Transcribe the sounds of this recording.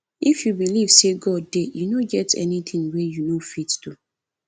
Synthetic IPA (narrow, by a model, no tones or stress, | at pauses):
ifjubiliv̥seɡɔd̚dejunoɡɛtʰɛ̰nit̪ʰĩŋwejunofittu